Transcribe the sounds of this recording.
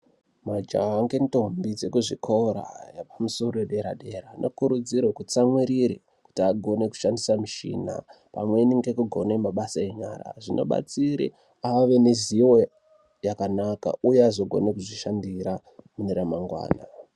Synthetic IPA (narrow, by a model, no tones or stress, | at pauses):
mad͡ʒaŋɡe̞nto̞mbid͡ze̞kuʐikʰo̞ɾa̰japamuso̞ɾoeɗe̞ɾa̰ɗe̞ɾanʔo̞kuɾud͡ziɾwokut͡samwiɾiɾe | ku̥tiaɡʱo̞ne̞ku̥ʃandisamiʃḭːna̰ | pa̰mwe̞niŋɡe̞kuɡʱo̞ne̞maɓasae̞ɲa̰ɾa̰ʐinʔo̞̰ɓa̰t͡siɾḭ | aʋe̞neziwo | jakanaka̰ujeazoɡʱo̞̰nekuʐiʃandiɾa | muneɾamaŋɡwa̰ːna̰